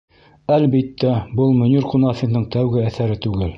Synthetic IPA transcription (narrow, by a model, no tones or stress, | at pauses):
ælbit̪ːæbɤlˠmɵ̆nʲurqunɑfʲinnɤɴt̪æwɡɘæθæɾɘt̪ʉɡɘl